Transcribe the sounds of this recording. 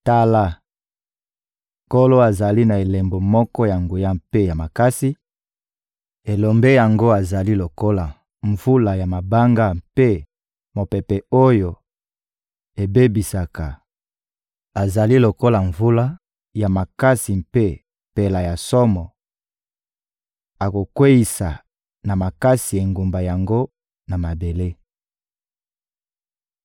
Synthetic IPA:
ta˦la˦ | ko˦lo˦a˨za˨li˦na˨e˨le˨mbo˨mɔ˦kɔ˦ja˨ŋɡu˨ja˦mpe˦ja˨ma˨ka˦si˦ | e˨lo˨mbe˦ja˨ŋɡo˦a˨za˨li˦lo˨ko˦la˨ | ɱvu˦la˨ja˨ma˨ba˦ŋɡa˦mpe˦ | mo˨pɛ˨pɛ˨o˦jo˨ | e˨be˦bi˨sa˨ka˨ | a˨za˨li˦lo˨ko˦la˨ɱvu˦la˦ | ja˨ma˨ka˦si˨mpe˦ | pe˨la˨ja˨sɔ˦mɔ˨ | a˨ko˨kwe˦ji˨sa˨ | na˨ma˨ka˦si˨e˨ŋɡu˨mba˨ja˨ŋɡo˦ | na˨ma˨be˨le˦

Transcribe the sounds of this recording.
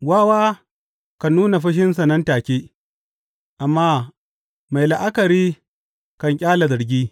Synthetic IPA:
waː˦waː˦ | kɐ˨nːuː˦na˨ɸɐ˦ʃ̬ɪ˦ns̬ɐ˨nɐ˦ntaː˨kʲiː˦ | ʔa˨mːaː˦ | ma˨jla˨ʔa˦kɐ˨ɾiː˦ | kɐ˨ŋkʲʼaː˦la˨zɐ˨ɾɡʲiː˦

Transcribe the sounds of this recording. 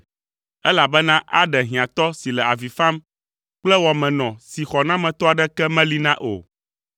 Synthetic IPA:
ɛ˦la˨bɛ˦nã˦ʔa˦ɖɛ˨ɦĩ˨ã˨t̪ɔ˦si˨lɛ˨a˨vi˨fã˦m | k͡plɛ˦wɔ˨mɛ̃˨nɔ̃˨si˨xɔ˨nã˦mɛ̃˨t̪ɔ˦a˨ɖɛ˦kɛ˦mɛ̃˦li˦nã˦ʔo̰˨

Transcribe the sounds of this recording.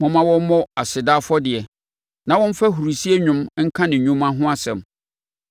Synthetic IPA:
mɔ̃˨mã˦wɔ˦mɔ̃˦a˨sɪ˨daː˦fɔ˦dɪ˨ɛ˨ | nã˨wɔ̃˦n̩˦fa˦ɦu˨ɾu˨si˦e˦ɲʊ̃˦mŋ̩˦kʰã˦nɪ̃˨ɲũ˦mã˦ɦʊ̃˦a˦sɛ̃˨m

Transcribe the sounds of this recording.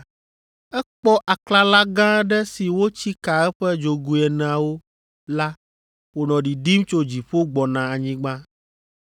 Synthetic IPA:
ɛ˦k͡pɔ˦ʔa˨kla˦la˦ɡã˦ɖɛ˦si˨wo˦t͡ɕi˦ka˨ɛ˦ɸɛ˦d͡ʒo˨ɡu˦ɛ˨nɛ̃˨a˨wo˦ | la˦ | wo˨nɔ̃˨ɖi˨ɖi˦mt͡ʃo˦d͡ʑi˨ɸo˦ɡ͡bɔ˨nã˨a˨ɲĩ˦ɡ͡bã˦

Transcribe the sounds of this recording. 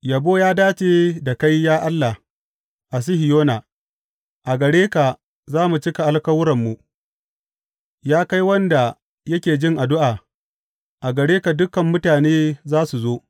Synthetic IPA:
jɐ˨boː˦jaː˦daː˦t͡ʃeː˨da˨ka˦jjaː˦ʔa˦lːa˨h | ʔa˨s̬ɪ˦hɪ˨joː˦na˨ | ʔa˨ɡɐ˨ɽeː˦ka˨ | zaː˦mu˨t͡ʃɪ˦ka˨ʔa˦lkɐ˦wʊ˦ɾɐ˨mːu˨ | jaː˦ka˦jwɐ˦nda˨ | jɐ˦kʲeː˨d͡ʒɪ˦ŋʔa˨dʊ˦ʔaː˨ | ʔa˨ɡɐ˨ɽeː˦ka˨dʊ˦kɐ˨mːʊ˦taː˨neː˦zaː˦su˨zoː˦

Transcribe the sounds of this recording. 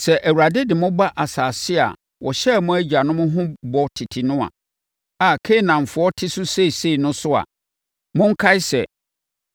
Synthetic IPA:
sɛ˨ʔæ˨wa˨dɪ˦dɪ˨mʊ̃˦ba˦ʔa˨saː˨sɪ˦a̰˨ | wɔ˨ɕɛ˦˨mʊ̃˦æ˦d͡ʑi˨a˨nʊ̃˦mʊ̃˦ɦʊ̃˦bɔ˨tʰɪ˨tʰi˨nʊ̃˦a̰˨ | a˨kʰe˦˨nã˨ɱ˨fʊ˨ɔ˦tʰɪ˦sʊ˦se˦˨se˦i˨nʊ̃˦sʊ˦a̰˨ | mʊ̃˦ŋ̩˦kʰa˦ɪ˦sɛ˨

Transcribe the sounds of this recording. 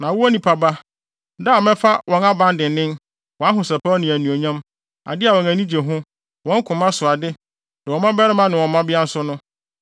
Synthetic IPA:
nã˨wʊ˦a˦nĩ˨pʰa˨ba˦ | da˦˨mɛ̃˦fa˦wʔɔ̃˨na˦bã˦ndɪ̃˨n˦nɪ̃˦n | wɔ̃˨a˦ɦʊ̃˨sɛ˨pʰa˦nɪ̃˨æ˨nũ˨o˨ɲã˦m | a̰˨dɪ˦a˨wɔ̃˨næ̃˨nĩ˦d͡ʑe˨ɦʊ̃˦ | wɔ̃˨˦ŋ˦kʰʊ̃˨mã˦sʊ˨a˨dɪ˦ | dã˨wɔ̃˨mã˦bɛ˦ɾɪ˦mã˦nɪ̃˨wɔ̃˨˦mã˦bɪ˦a˦n̩˦sʊ˦nʊ̃˦

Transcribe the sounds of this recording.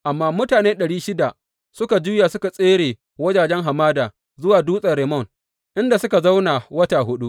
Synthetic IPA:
ʔa˨mːaː˦mʊ˦taː˨neː˦ɗɐ˨ɽiː˦ʃɪ˦da˨ | sʊ˦ka˨d͡ʒu˦ja˨sʊ˦ka˨sʼeː˦ɽeː˨ | wɐ˦d͡ʒaː˨d͡ʒɛ˦ŋɦa˨maː˦daː˨ | zʊ˦waː˨duː˦sʼɐ˨ɽe˨mɔ˦˨ŋ | ʔɪ˦nda˨sʊ˦ka˨za˦wnaː˨wɐ˦ta˨hʊ˦ɗu˦ʔ

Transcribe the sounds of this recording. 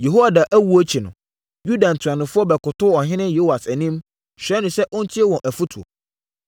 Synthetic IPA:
je˨ɦo˦wa˨da˨ʔæ˦wu˦o˦t͡ɕʰi˨nʊ̰̃˨ | ju˦dã˨n̩˨tʰu˨ã˨nʊ̃˨fʊ˦ɔ˦bɛ˨kʊ˨tʰʊ˦ɔ˨ɦɪ̃˦nɪ̃˦jo˦wa˨sæ˨nĩ˦m | ɕᶣɛ˨˦nʊ̃˨sɛ˦ʔʊ̃˦n̩˦t͡ɕʰi˦e˦wɔ̃˨ʔæ˨fu˦tʰu˨o̰˨

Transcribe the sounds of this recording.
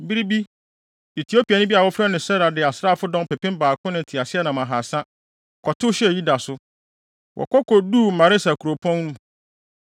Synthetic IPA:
m̩˨bi˦ɾi˦bi˦ | i˨tʰi˨˦o˦pʰi˨a˨nʊ̃˦bi˦a˨wɔ˦fɾɛ˦nɪ̃˨sɛ˦ɾa˨dɪ˨a˨sɾa˦˨fʊ˦dɔ̃˦mpʰɛ˨pɪ̃˦mbaː˨kʰʊ̃˦nɪ̃˨tʰɪ˨a˨sɪ˦ɛ˦nã˨mã˨ɦa˨sã˦ | kʰɔ˨tʰʊ˦ɕɛ˦˨ji˦da˨sʊ˦ | wʔɔ̰˨kʰɔ˦kʰɔ˨du˦˨m̩˨mã˨ɾɪ˦sa˨kʰu˨ɾo˨pʰɔ̃˦n˦nũ˦

